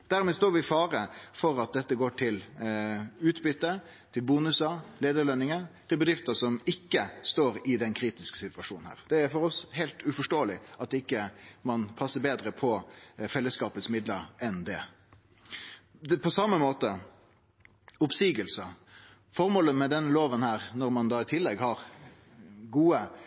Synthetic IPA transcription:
d̪̥æɾmɛːst̪oːɾʋɪfɑːɾəfɔɾɑt̪̚d̪ɛt̪ːəɡoːʈʰɪl | ʉːt̪bʏt̪ːə | t̪ʰɪlbuːnʉsəleːd̪əɭɛnːɪŋət̪ʰɪlbəd̪ɾɪft̪əsɔmɪkːəst̪oːɾɪd̪ɛnkʰɾiːt̪ɪskə̥sɪt̪ʋɑʂṵːnnhæ̰ːʁd̪̥ɛæɾfɔɾɔshɛlt̪ʉfɔʂʈoːəlɪɑt̪d̪ɪkːəmɑnpʰɑsːəbeːd̪ɾəpʰɔfɛlːəskɑːpət̪smɪd̪ləɾɛnd̪ɛ | pʰɔsɑmːəmoːt̪ə | ʊpsiːɡəlsə | fɔʁmoːləmɛd̪ɛnloːʋənhæːʁnɔɾmɑnd̪ɑːɪt̪ʰɪlːɛɡhɑʁ | ɡuːə

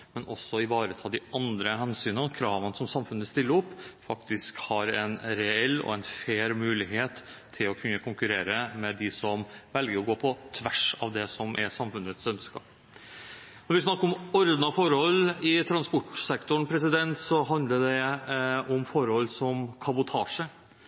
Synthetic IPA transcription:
mɛnʔɔsːɔɪʋɑːɾət̪ʰɑːd̪ɪʔɑnd̪ɾəɦɛnsyːnəkʰɾɑːʋənsɔmsɑmfʉnəst̪ɪlːəɾɔpːfɑkt̪ɪskhɑɾɛnɾɛɛlːɔ̰ɛnfeːɾmʉːlɪɦeːt̪ʰː | ɪlɔkʰʉnːəkʰʊŋkʉɾeːɾəmɛd̪ɪsɔmʋɛlɡəɾɔɡoːpʰɔt̪ʰʋæʂɑ̰ʋd̪ɛsɔmʔɛsɑmfʉnət̪sœnskɑ̰ | nɔɾʋɪsnɑkːəɾɔmɔɾd̪nɑfɔɾhɔlːɪt̪ʰɾɑnspɔʈsɛkt̪ʊɳpʰɾɛs̬ɪd̪ɛnt̪sɔɦɑnd̪ləɖ̪ɛ | ɔmfɔɾhɔlːsɔmkʰɑbʊt̪ʰɑːʂə

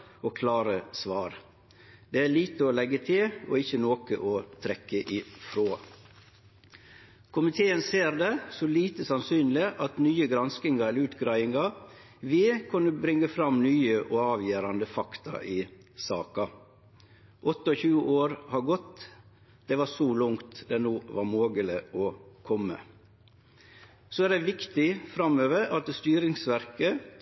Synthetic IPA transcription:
ɔkʰlɑːɾəsʋɑːɾ | d̪ɛæɭiːt̪əɔlɛɡːət̪ʰɪlɔɪçːənoːkəʔot̪ʰɾɛkːəʔɪfɾoː | kʰʊmɪt̪ʰeːənseːɾd̪ɛsɔliːt̪əsɑnsyːnlɪʔɑt̪nyːəɡɾɑnskɪŋɑɛləɾʉːt̪ɡɾɑɪɪŋɑ | ʋɪːkʰʉnːəbɾɪŋːəfɾɑmnyːəʔɔɑːʋjeːɾɑnd̪əfɑkt̪ʰɑ̰ʔɪːsɑ̰ːkɑ | ʔɔt̪ːəɔçʉːʔoːɾhɑɡɔt̪ː | d̪̥ɛʋɑsɔlʊŋt̪d̪ɛnoːʋɑɾmoːɡəlɪɔkʰɔmːə̰ | soæɖ̪ɛʋɪkt̪ɪfɾɑmːøːʋəɾɑt̪̚d̪st̪yːɾɪŋsʋæɾkə

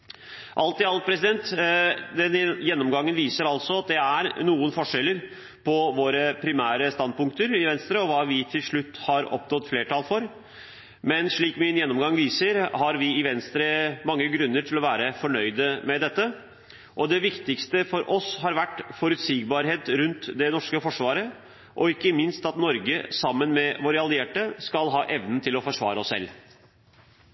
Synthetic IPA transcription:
ʔɑlt̪ɪɑlt̪̚pʰɾɛsɪd̪ɛnt̪d̪ɛnjɛnːɔmɡɑŋːənʋiːsəɾɑlsɔɑt̪̚d̪ɛæɾnuːənfɔʂɛlːəɾ | pʰɔʋoːɾəpʰɾɪmæːɾəst̪ɑnd̪̚pʊŋkt̪əɾɪʋɛnst̪ɾəɔʋɑːʋɪt̪ʰɪlʂɭʉt̪ːhɑɾɔ̰pnɔt̪ːfleːʈʰɑːlfɔɾ | mɛnʂɭiːkmɪnjɛnːɔmɡɑŋːʋiːsəɾhɑɾʋɪɪʋɛnst̪ɾəmɑŋːəɡɾʉnːəʈʰɪlɔʋæːɾəfɔɳœʏd̪əmɛd̪ɛt̪ːə | ʔɔd̪ɛʋɪkt̪ɪkst̪əfɔɾʔɔshɑɾʋæʈːfɔɾʉt̪siːɡ̚bɑɾɦeːt̪ɾʉnt̪d̪ɛnɔʂkəfɔʂʋɑːɾə | ʔɔɪkːəmɪnst̪ɑt̪nɔɾɡəsɑmːənmɛʋoːɾəɑlɪeːʈəskɑlɦɑːʔɛʋnn̩t̪ʰɪlɔfɔʂʋɑ̰ːɾəɔsːɛ̰lː

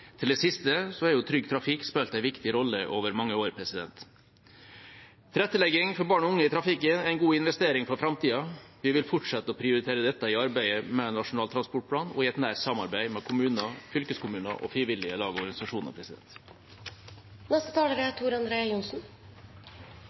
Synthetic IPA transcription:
t̪ʰɪld̪ɛsɪst̪əsɔhɛɾjʊt̪ʰɾʏɡt̪ʰɾɑfɪkspeːlt̪æɪʋɪkt̪ɪɾɔlːəʔoːʋəɾmɑŋːəoːɾpʰɾɛsɪd̪ɛ̰nt̪ | t̪ʰɾɛt̪ːəlɛɡɪŋfɔɾbɑːɳɔʊŋːəɪt̪ʰɾɑfɪkənæɪnɡuːɪnʋɛst̪eːɾɪŋfɔɾfɾɑmt̪ʰiːɑʋɪʋɪlfɔʈʂɛt̪ːəɔpʰɾɪʊɾɪt̪ʰeːɾəd̪ɛt̪ːəɪɑɾbæɪəmɛnɑʂʊnɑːlt̪ɾɑnspɔʈ̚pʰlɑːnɔ̰ɪɛt̪næːʈsɑmɑɾbæɪmɛkʰʊmʉːnɑfʏlkəskʰʊmʉːnə̰ʔɔ̰fɾɪʋɪlɪəlɑːɡəɔɾɡɑnɪsɑʂuːnɑ̰ɾpʰɾɛsɪd̪ɛ̰nt̪ | nɛst̪ət̪ʰɑːləɾət̪ʰuːɾɑnd̪ɾeːɑjʊnsn

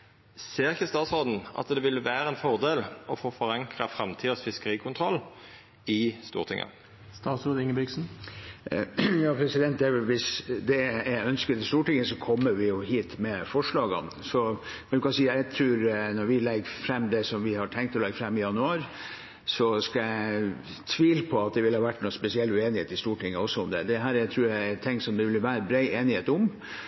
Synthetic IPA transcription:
seːʁɪçəst̪ɑːt̪sʁoːd̪n̩ɑ̰t̪d̪ɛʋɪlʋæːɾəɛnfɔʁd̪eːlɔfoːfɔɾɑŋkʁɑfɾɑmt̪ʰiːd̪əsfɪskəɾiːkʰʊnt̪ʰʁɔlː | ɪst̪ṵːʁt̪ʰɪ̰ŋːə̰ | st̪ɑːt̪sɾoːd̪ɪŋəbɪksn̩ | jɑːpʰɾɛsɪd̪ɛnt̪̚d̪ælʋɪsd̪ɛæœnskət̪ɪst̪uːʈɪŋːəsɔkʰɔmːəʋɪjʊhiːt̪mɛfɔʂɭɑːɡɑ̰nsɔ | ɛnd̪ʉkɑsiːæt̪ʰɾʉːɾnɔɾʋɪlɛɡːfɾɛmːd̪ɛsɔmʋɪhɑʈʰɛŋkt̪ɔlɛɡfɾɛmːɪjɑnʉɑːɾ | sɔskɑjæ | t̪ʰʋiːlpʰɔɑt̪̚d̪ɛʋɪlhɑʋæʈːnuːspɛsɪɛlːʉeːnɪheːt̪ɪst̪uːʈʰɪŋːəɔsːɔʊmd̪ɛ̰d̪ɛɦæːɾæɪt̪ʰɾʉːɾt̪ʰɪŋːsɔmd̪ɛʋɪlʋæːɾəbɾeɪʔeːnɪheːt̪ʊm

